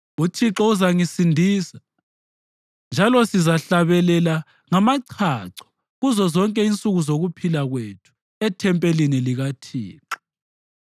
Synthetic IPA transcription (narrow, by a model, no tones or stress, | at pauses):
utʰiǁɔuzaŋisindʱiːsḁ | nd͡ʒʱalɔsizaɬaβɛlɛla | ŋamaǀʰaǀɔ̥ | ɣuzɔzɔŋkʼɛint͡sʼuɣuzoɣupʰilaɣwetʰu̥ | ɛtʰɛmpʼeliniliɣatʰḭːǁa